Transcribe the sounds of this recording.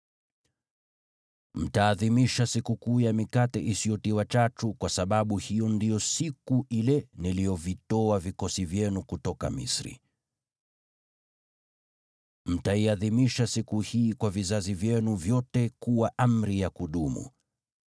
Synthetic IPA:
m̩taːðimiʃasikukuːjamikatɛ̰ʔisijɔtiwat͡ʃatukwasaɓaɓuhijɔndijɔsikuilɛnilijɔvitɔavikɔsivjɛnukutɔka̰mḭsɾḭ | m̩taiaðimiʃasikuhiːkwavizazivjɛnuvjɔtɛkuwaʔam̩ɾijakuɗumṵ

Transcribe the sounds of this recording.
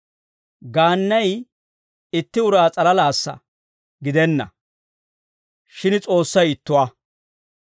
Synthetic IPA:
ɡaːnːɐj | ɪt̪ːɪʊɾaːt͡sʼɐlɐlaːsːɐ̰ | ɡɪd̪ɛnːɐ̰ | ʃɪnt͡sʼo̞ːsːɐjɪt̪ːʊwaː

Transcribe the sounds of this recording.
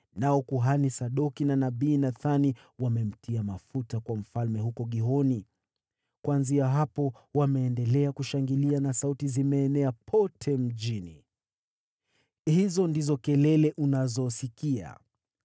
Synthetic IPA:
naɔkuɦanisaɗɔkinanaɓiːnaθani | wamɛm̩tʰiamafutakwam̩falmɛɦukɔɠiɦɔni | kwanziaɦapɔ | wamɛːndɛlɛakuʃaŋɡilianasautizimɛːnɛapʰɔtʰɛm̩ʄini | hizɔndizɔkɛlɛlɛʔunazɔsikia̰

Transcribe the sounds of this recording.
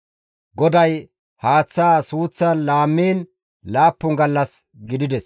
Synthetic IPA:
ɡɔd̪ɐj | haːt͡sːaːsuːt͡sːanlaːmːiːn | laːpːʊŋɡɐlːɐs | ɡɪd̪ɪd̪ɛs

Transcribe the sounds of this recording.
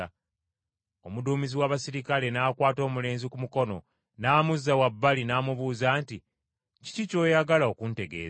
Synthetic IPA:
a | omuduːmiziwaːβasiɾikale̞naːkwaːto̞ːmule̞ːnzikumuko̞no̞̰ | naːmuzːawabːalinaːmuβuːzaːnti | ci̥cico̞ːjaɡalao̞kunte̞ɡe̞̰ːz

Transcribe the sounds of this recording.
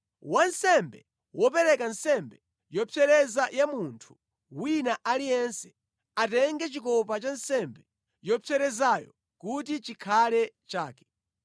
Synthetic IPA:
wansɛmbɛ | wɔp̬ɛɾɛkansɛmbɛ | jɔpɛɾɛzajamuntʰu̥ | winaʔalijɛnsɛ̥ | atɛŋɡɛt͡ʃikɔpat͡ʃansɛmbɛ | jɔpʰɛɾɛzajɔ̰ | kutit͡ʃikʰalɛ | t͡ʃaːkɛ̥

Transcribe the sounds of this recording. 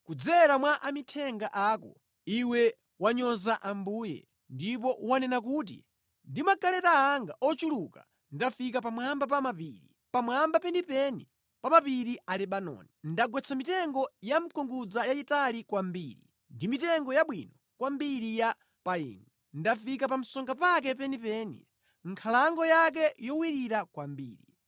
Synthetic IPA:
kud͡zɛɾamwaʔamitʰɛŋɡaʔaːkɔ̰ | iwɛ | waɲɔzaʔambuːjɛ̰ | ndipɔwanɛnak̬ut̬ḭ | ndimakalɛtaaŋɡaʔɔt͡ʃuluka̰ | ndafik̬apamambap̬amapḭɾḭ | pamwambapɛndipɛni | pamapiɾialɛɓanɔ̰nindaɡwɛt͡sʰamitɛŋɡɔjam̩kʰɔŋɡud͡zajaitalikwambiːɾḭ | ndimitɛŋɡɔjaɓwinɔ | kwambiɾija | paḭːnɛ | ndafikapam̩sɔŋɡapak̬ɛpɛnipɛnḭ | ŋkʰalaŋɡɔjak̬ɛjɔwiɾiɾakwambḭːɾi

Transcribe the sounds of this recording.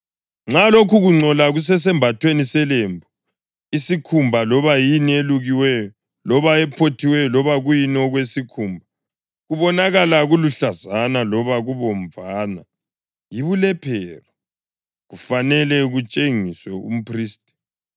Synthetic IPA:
ŋ͡ǁalokʰuɣuŋ͡ǀɔlaɣus̬ɛs̬ɛmbʱatʰwenisɛlembʱɔ | isikʰumbʱalɔβajinieluɣiwɛjɔ | lɔβaɛpʰotʰiwɛjɔlɔβaɣujinɔɣwesikʰumbʱa | ɣuβɔnaɣalaɣuluɬazanalɔβaɣuβɔmvaːna̰ | jiβulɛpʰɛːra | ɣufanɛlɛɣut͡ʃʼeŋiswɛṵm̩pʰriːstʼi̥

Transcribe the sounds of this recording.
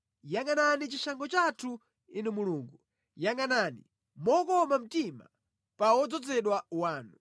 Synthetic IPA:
jaŋananit͡ʃiʃaŋɡɔt͡ʃatʰu | inɛmuluːŋɡu | jaŋananḭ | mɔkɔmam̩tima̰ | pawɔd͡zɔd͡zɛɗwawaːnu

